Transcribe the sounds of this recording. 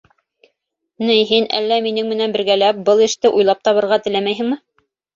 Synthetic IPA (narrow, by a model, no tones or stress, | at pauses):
nɘjɦinʔæ̰lːæminɘŋmɘ̆nænbɘ̆ɾɡælæp̚bɤlˠɘ̆ʃt̪ɘʔujlˠɑp̚t̪ɑβɤ̆ɾʁɑt̪ɘ̆læmæjɦɘ̆ŋmɘ